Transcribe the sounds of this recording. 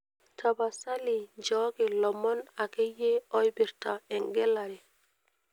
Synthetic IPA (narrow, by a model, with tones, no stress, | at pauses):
tʰa˨ba˨sa˦li˨d͡ʒɔ˦ɡe˨lɔ˨mːɔ˦na˨ke˦je˦o˦jbi˨ɾta˨e˨ŋɡe˦lːa˨ɾe˨